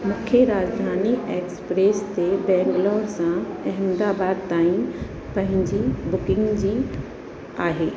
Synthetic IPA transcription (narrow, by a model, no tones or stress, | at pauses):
mʊkʰjəɾaːd͡ʑd̪ʱaːnieːkspɾeːst̪ebɛ̃ːŋɡlɔːɾsãɛɦmd̪aːbaːd̪̚t̪aːĩ | pɐ̃ɦɪ̃ɲd͡ʑibʊkɪ̃ŋɡd͡ʑiː | aːɦeː